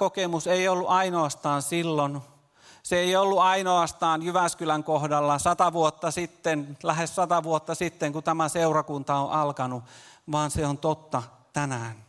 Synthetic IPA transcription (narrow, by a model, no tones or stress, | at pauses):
kokemuseiolːuʔɑinoɑst̪ɑːnsilːon | seeiolːuɑinoɑst̪ɑːnjyʋæskylæŋkohdɑlːɑsɑt̪ɑʋuot̪ːɑsit̪ːenlæhessɑt̪ɑʋuot̪ːɑsit̪ːeŋkut̪æmæseurɑkunt̪ɑoʔɑlkɑnuʋɑːnseont̪ot̪ːɑ | t̪ænæːn